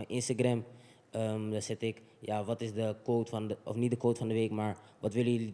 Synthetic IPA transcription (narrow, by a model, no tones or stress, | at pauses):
jʔɪnstaɡrɛm | əmdɔsɛtɪk | jaːʋɑtɪsdəkoːtfɑnəɔ̰fnit̚dəkoːtfɑndəʋeːkmaːɹʋɑtʋɪləjəli